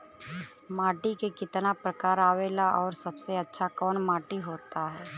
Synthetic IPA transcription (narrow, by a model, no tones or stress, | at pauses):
maːʈikekɪt̪napɾəkaːɾaːʋeːlaʔɔːɾsɐbseɐtːʃʰakɔːnmaːʈiɦoːt̪aɦɛː